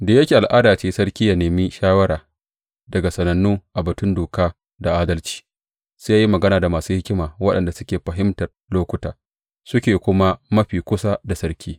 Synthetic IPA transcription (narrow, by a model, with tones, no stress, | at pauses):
deː˨jɐ˦kʲeː˨ʔa˨lʔaː˦daː˨t͡ʃeː˦sɐ˦rkʲiː˦ja˨neː˨mi˦ʃaː˦wɐ˦ɾaː˨ | dɐ˨ɡa˨sɐ˨nɐ˨nːuː˦ʔa˨bɐ˨tʊ˦ndoː˨kaː˦ | da˨ʔaː˦dɐ˦lt͡ʃi̥ː˦ | sa˦ja˦ji˦mɐ˨ɡɐ˦naː˨da˨maː˨suː˦hɪ˦kʲɪ˦maː˨wɐ˦ɗɐ̰˨nda˨sʊ˦kʲeː˨ɸɐ˨ɦɪ˦mtɐ˨r | loː˦kʷʊ˦taː˨ | sʊ˦kʲeː˨kʷʊ˦ma˦mɐ˦ɸiː˨kʷʊ˦sa˦da˨sɐ˦rkʲʰiː˦